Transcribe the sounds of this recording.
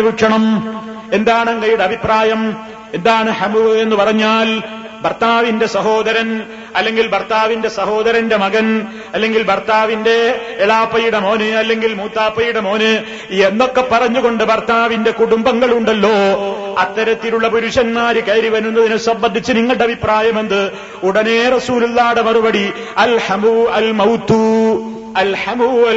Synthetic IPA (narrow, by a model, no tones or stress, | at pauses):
ʋuʂɐɳɐm | e̞nd̪aːɳɐŋkɐjuɽɐbʱipraːjɐm | end̪aːɳɨhɐmue̞nːɨpɐrɐɲːaːl | bʱɐrt̪aːʋinde̞sɐɦo̞ːd̪ɐɾɐn | ɐlːe̞ŋɡilbɐrt̪aːʋinde̞sɐho̞ːd̪ɐɾɐnde̞mɐɡɐn | ɐlːe̞ŋɡilbʱɐrt̪aːʋinde̞ːɭaːpːɐjiɽemo̞ːnɨɐlːe̞ŋɡilmuːt̪ːaːpːɐjuɽemo̞ːnɨ | enːo̞kːe̞pːɐrɐɲːuɣo̞ɳɖɨbɐrt̪aːʋinde̞kuɽumbɐŋːɐɭuɳɖɐlːo̞ːɐt̪ːɐɾɐt̪ːiluɭːɐpuɾuɕɐnmaːɾikɐːɾiʋɐnunːɐðinɨsɐmbɐnd̪ːit͡ɕːɨniŋːɐɭɖeɐbʱipraːjɐmend̪ɨ | uɽɐne̞rɐsuːlulːaːɽemɐrubɐɽi | ɐlhɐmuɐlmɐwt̪ːu | ɐlħɐmuɐ